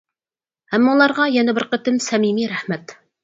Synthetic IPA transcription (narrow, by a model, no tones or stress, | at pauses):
æmːɑulˠɑɾʁɑjɛnɛbɪɾqət̪ɪmsɛmimiɾæhmɛt̪